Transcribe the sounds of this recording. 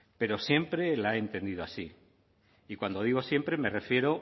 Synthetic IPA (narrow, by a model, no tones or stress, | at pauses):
pe̞ɾosje̞mpɾe̞laeːnt̪e̞nd̪iðo̞asi | ikwand̪o̞ðiɣ̞o̞sje̞mpɾe̞me̞refje̞ɾo̞